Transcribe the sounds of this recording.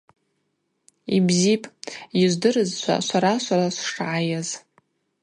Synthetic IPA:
ibzipʼjiʒʷdɨrɨzt͡ʃʷʰa̰ʃʷaɾaʃʷaɾasʂʂʕajaz

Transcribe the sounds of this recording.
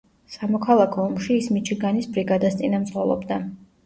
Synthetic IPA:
samɔkʰalˠakʰɔɔmʃiːsmit͡ʃʰiɡanisbɾiɡad̪ast̪sʼinamsχɔlˠɔ̰bd̪a

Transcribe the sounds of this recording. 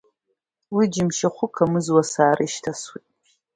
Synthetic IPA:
wid͡ʒɪmʃaχʷʊkʰamɨzwasaːɾiʃtʰaswitʼ

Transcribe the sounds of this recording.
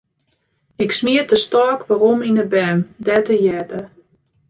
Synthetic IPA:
ɪksmiətəstɔːkʋaɾɔminəbɛndɛtəjɛdə

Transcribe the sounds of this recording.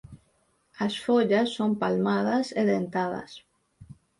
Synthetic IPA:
asfoʎasːompalmaðaseðent̪aða̰s

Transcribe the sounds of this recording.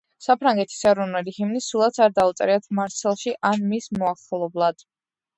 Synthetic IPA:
sapʰɾaŋɡɛt̪ʰi̥sɛɾɔnɛlihimnisulˠat̪sʰaɾd̪aut̪sʼɾiat̪ʰmaɾt̪sʰɛlˠʃiʔanmismɔaχɔlˠɔblˠad̪̥

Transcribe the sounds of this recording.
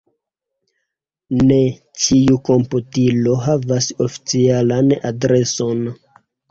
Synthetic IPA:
ne̞ | t͡ʃiuko̞mputilo̞ɦavasofi̥t͡sialana̰dɾe̞so̞n

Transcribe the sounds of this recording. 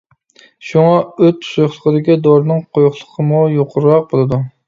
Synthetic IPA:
ʃuŋɑøt̪ʰsujχlˠəqəd̪ɪkʲid̪oɾnɨŋqʰojχlˠəqʰəmujoqʰʊɾɾɑq̚bolˠɨd̪u

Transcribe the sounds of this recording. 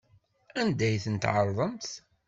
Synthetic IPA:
ænd̪æjθənt̪ʕəɾˤðˤəmθ

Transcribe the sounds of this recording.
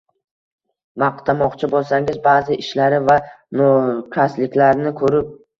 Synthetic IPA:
mɑqt̪ʰamɒqt͡ʃʰɪbolˠsaŋɪzbaːzɪʔɪʃlaɾɪva | nɒkʲʰaslɪkʲlaɾnɪkʰɵɾɪp̚

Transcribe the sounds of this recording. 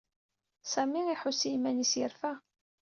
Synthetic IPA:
sæmiiħʊsimænisjəɾfæ

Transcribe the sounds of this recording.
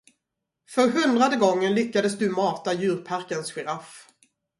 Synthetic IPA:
fœɾɦɵnd̪ɾad̪əɡɔŋːənlʏkːad̪əsd̪ɵmɑːt̪ajʉ̟ːɾpʰaɾkənsɧɛɾaf

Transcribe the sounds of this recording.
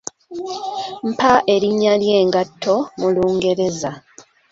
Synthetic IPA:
m̩paʔe̞ɾiɲːalje̞ːŋɡatʰːo̞muluːŋɡe̞ɾe̞za

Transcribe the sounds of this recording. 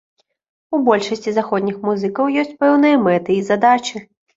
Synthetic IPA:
ubɔlʲʂɐsʲt͡sʲizaxɔd̪ʲnʲixmuzɨkɐwjɔsʲt͡sʲpɛwn̪ɨjɐmɛt̪ɨizad̪at͡ʃɨ

